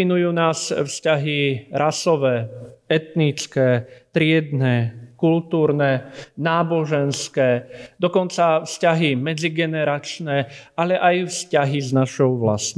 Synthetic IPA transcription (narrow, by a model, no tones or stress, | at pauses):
inujuːnaːzfscaɦiɾʔasɔʋɛːɛt̪nit͡skɛːt̪ɾɪɛd̪nɛkult̪uːɾnɛnaːbɔʒɛnskɛːd̪ɔkɔnt͡safscaɦimɛd͡ziɡɛnɛɾat͡ʃnɛalɛʔajfscaɦiznaʃɔʊʋla̰s